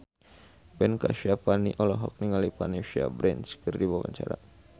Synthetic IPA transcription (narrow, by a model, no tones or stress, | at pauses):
bɛnkaʃiapaniʔɔlɔɦɔk̚niŋalipaneʃia̰bɾɛnskərdibawa̰ɲt͡ʃaɾa̰